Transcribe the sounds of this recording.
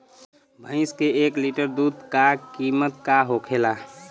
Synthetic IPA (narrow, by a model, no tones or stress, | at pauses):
bʱə̃ɪ̃skeekliʈəɾd̪ud̪kakimət̪̚kaɦokʰela